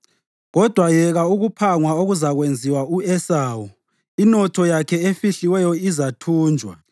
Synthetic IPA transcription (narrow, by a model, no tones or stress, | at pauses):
ɣɔd̥ʱwajɛɣauɣupʰaŋwaoɣuzaɣwend͡zʱiwauɛsaːwɔ | inɔtʰɔjakʰɛefiɬiwɛjɔizatʰuːnd͡ʒʱwa̰